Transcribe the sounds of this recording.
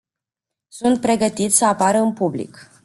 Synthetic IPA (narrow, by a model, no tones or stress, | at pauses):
sunt̪̚pɾe̞ɡət̪it̪sʲsəapaɾəɨnpublḭk